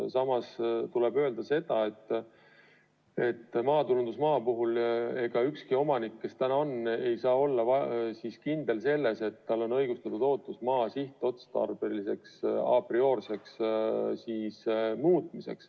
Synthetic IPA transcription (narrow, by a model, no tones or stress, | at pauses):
sɑmɑst̪ulebø̞ːld̪̥ɑse̞d̪̥ɑe̞t̪ːˑ | e̞t̪ːmɑːt̪ulund̪usmɑːpuɦule̞ɡ̥ɑykskio̞mɑnikːe̞st̪ænɑone̞jsɑːo̞lːɑvɑsiskind̪e̞lse̞lːe̞se̞t̪ːɑlːo̞nɤjɡ̥ust̪ɑt̪ud̪o̞ːt̪ːˑusmɑːsiht̪ˑo̞t̪st̪ɑ̰rb̥elise̞ksɑ̰prio̞ːrse̞kssiːsmuːt̪ˑmise̞̰ks